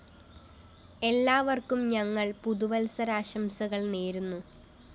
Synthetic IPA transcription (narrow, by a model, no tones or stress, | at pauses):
e̞lːaːʋɐrkumɲɐŋːɐɭpuðuʋɐlsɐɾaːɕɐmsɐɣɐɭneːɾunːu